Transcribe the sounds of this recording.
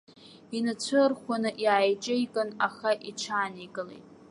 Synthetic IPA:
inat͡ɕʷʰɨrχʷanɨʔiajt͡ʃʼɪjkʼɨnaχaʔiʈ͡ʂʷʰaːneɡʼɨlḛjtʼ

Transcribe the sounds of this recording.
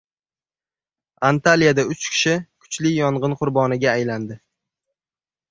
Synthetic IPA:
ant̪alijad̪aʊt͡ʃkʲʰɪ̥ʃɪkʰʊ̥t͡ʃlɪjɒɴʁɨnqʰʊɾbɒnɪɡʲaːjland̪ɪ

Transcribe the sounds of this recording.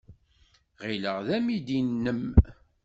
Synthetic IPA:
ʁiləʁðæmid̪inːəm

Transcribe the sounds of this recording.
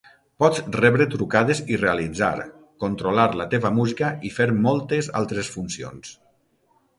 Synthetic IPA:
pɔt͡srɛβɾet̪ɾukað̞ezirealid͡za̰ɾ | kont̪ɾolaɾlat̪eβəmuzikaifeɾmɔlˠt̪eza̰lˠt̪ɾesfunsio̰ns

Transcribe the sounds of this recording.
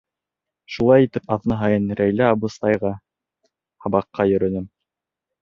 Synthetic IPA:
ʃulˠɑjit̪ɘpɑðnɤɦɑjɤnɾæjlæːbŭst̪ɑjʁɑ | hɑbɑqːɑjɵ̆ɾɵ̆nɘm

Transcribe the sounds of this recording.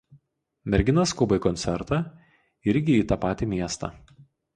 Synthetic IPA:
mʲɛɾʲɡʲɪnɐskʊbɐɪkɔnʲt̪sʲɛɾt̪ɑ | ɪɾʲɡʲɪiːt̪ɑpɑːt̪ʲiːmʲiɛst̪ɑ̰ː

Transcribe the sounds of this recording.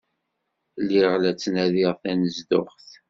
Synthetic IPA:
lːiʁlæt͡sːnæðiʁθænəzd̪ʊχθ

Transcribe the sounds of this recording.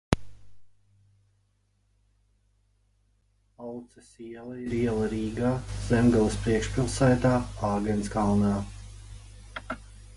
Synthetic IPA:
alˠt̪sɛsiɛlˠaiɾiɛlˠaɾiːɡaːz̥ɛmɡalˠɨspɾiɛkʃpʲilˠsæjt̪aːaːɡɛnskalˠnaː

